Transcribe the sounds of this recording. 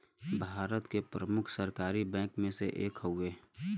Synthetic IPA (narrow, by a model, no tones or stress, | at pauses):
bʱaːɾət̪kepɾəmʊkʰsəɾkaːɾibɛ̃ːkmẽseʔeːkɦoeː